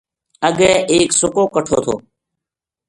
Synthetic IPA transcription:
əɠɛ̃ːʔeːksʊkoːkəʈʰoːt̪ʰo̰ː

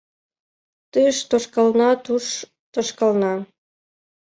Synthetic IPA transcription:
t̪əʃt̪oʃkɑlnɑt̪uʃ | t̪oʃkɑlnɑ

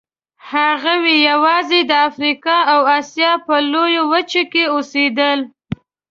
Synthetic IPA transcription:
haɣawejawɑzed̪əafɾikɑawɑsjɑpəlojowət͡ʃokeosed̪əl

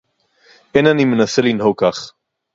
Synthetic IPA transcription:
ʔenanimenaselinɦokaχ

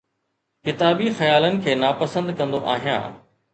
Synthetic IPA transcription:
kɪt̪aːbixɐjaːlənɪ̆kʰeːnaːpɐsə̃nd̪kɐ̃nd̪oʔa̰ːɦijã̰ː

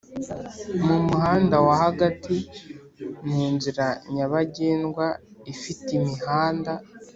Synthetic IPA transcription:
mumuɦaːndawahaɡatʰi | nhuːnziɾaɲaβaɟeːnɡwaifitimihaːnda

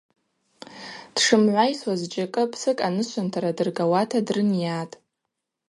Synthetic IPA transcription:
d̥ʂɨmʕʷajswazd͡ʒʼakʼɨpʰsɨkʼanɨʃʷantʰaɾadɨrɡawatʰadrɨnjatʼ

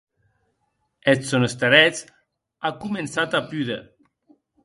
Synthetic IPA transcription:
et̪sonost̪eɾɛt͡s | akumensat̪apyðe

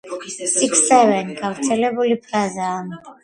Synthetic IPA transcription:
siksːɛvɛnkʰavut͡sʰɛleβulipʰlazam

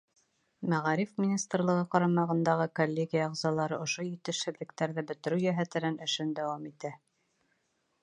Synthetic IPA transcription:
mæʁɑɾifmʲinʲist̪rlˠɤ̆ʁɤqɑɾɑmɑʁɤ̆nd̪ɑʁɤkolʲːeɡʲijɑːʁzɑlˠɑɾɤʔŏʃojit̪ɘ̆ʃhɘ̆ðlɘ̆k̚t̪æɾðɘbɵ̆t̪ɘ̆ɾʉjæɦæt̪ɘ̆nænɘ̆ʃɘnd̪æwɑmit̪æ

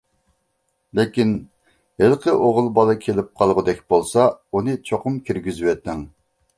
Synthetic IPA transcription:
lɪkʲin | helqʰəʔoʁʊlˠbɑlˠɨkʲʰelɪp̚qʰɑlˠʁʊd̪ɛkʲb̥olˠsɑunɨt͡ʃʰoqʰʊmkʲiɾɡʲyzywɛt̪ːɪŋ

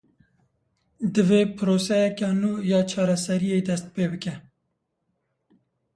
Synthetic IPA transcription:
d̪ɨveːpʰɨɾoːsɛjɛkɑnuːjɑːt͡ʃʰɑːɾɛsɛɾijeːd̪ɛst̪̚peːbɨkɛ

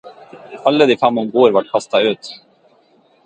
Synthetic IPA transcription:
alːəd̪ɪfɾamːɔmɡoːɾvaʈ̚ːkʰast̪aʉ̟ːt̪

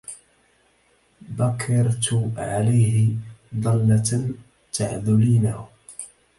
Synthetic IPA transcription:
bakʰːɑɾˤt̪ʕalajhɪd̪ˤɑlːa | t̪aʕðʊliːna

